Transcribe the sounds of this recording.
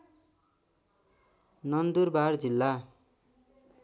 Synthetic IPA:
nʌnd̪urbard͡zilːa

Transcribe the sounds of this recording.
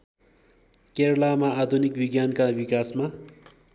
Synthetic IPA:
keɾlamaːd̪ʱunikbiɡjankabikasma

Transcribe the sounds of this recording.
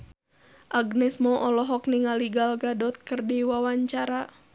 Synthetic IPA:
ʔaɡnɛsmɔʔɔlɔɦɔk̚niŋaliɡalɡadɔt̪̚kərdiwawaɲt͡ʃaɾa

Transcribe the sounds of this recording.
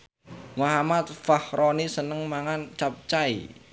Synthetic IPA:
maɦamat̪̚fahɾɔnisənəŋmaŋant͡ʃap̚t͡ʃaḭ

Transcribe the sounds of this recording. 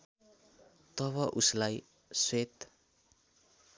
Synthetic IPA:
t̪ʌβʌʔuslaj | swet̪

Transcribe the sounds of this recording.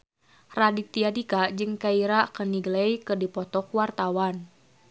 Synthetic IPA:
radit̪iadikad͡ʒɨŋkaiɾakəniɡlejikɨrdipɔt̪ɔkuwart̪awan

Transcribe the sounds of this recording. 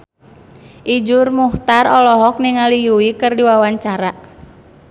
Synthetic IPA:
ʔid͡ʒʊrmuht̪arɔlɔɦɔk̚niŋalijuwikɨrdiwawaɲt͡ʃaɾa

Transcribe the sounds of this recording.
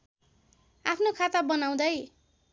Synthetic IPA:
apʰnokʰat̪abʌnaw̃d̪ʌj

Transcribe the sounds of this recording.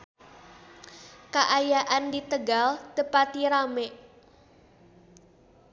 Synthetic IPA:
kaʔajaʔandit̪əɡalt̪əpat̪iɾameʔ

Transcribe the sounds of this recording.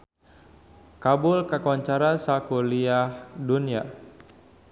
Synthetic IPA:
kabulkakɔɲt͡ʃaɾasakuliahdunia

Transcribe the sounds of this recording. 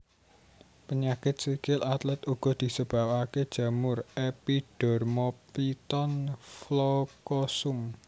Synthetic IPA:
pəɲakɪt̪̚sikɪlat̪lɛt̪uɡ̥ɔ̤d̪̥i̤səb̥a̤waked̥ʒ̥ä̤mʊrepiɖ̥ɔ̤rmɔpit̪ɔnflɔkɔsʊm

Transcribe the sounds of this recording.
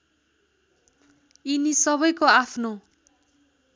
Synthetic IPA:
inisʌβʌjkoapʰno

